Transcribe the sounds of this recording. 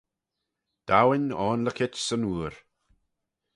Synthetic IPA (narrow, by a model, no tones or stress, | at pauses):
d̪̥awɪnɔːnləkʰɪt͡ʃsənuːɹ